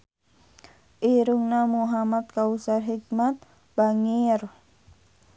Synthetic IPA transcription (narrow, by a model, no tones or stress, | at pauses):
ʔiɾuŋnamuɦamat̪̚kausarɦik̚mat̪̚ | b̥aŋir